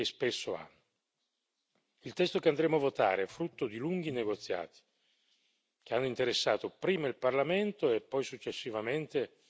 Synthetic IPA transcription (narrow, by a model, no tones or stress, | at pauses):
espesːoa̰nː | ilt̪ɛst̪okeand̪ɾeːmoavːot̪a̰ːɾeɛfːɾut̪ːod̪iluŋɡ̟ineɡot̪sːja̰ːt̪i̥ | k̟eanːoint̪eɾesːa̰ːt̪opɾiːmailparlament̪oɛpːɔjsut͡ʃːesːivament̪e